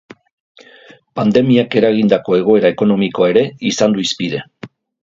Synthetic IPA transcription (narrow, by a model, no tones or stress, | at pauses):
pand̪e̞miake̞ɾaɣ̞ind̪ako̞e̞ɣ̞o̞e̞ɾaeko̞no̞miko̞ae̞ɾe̞isand̪uispiðe̞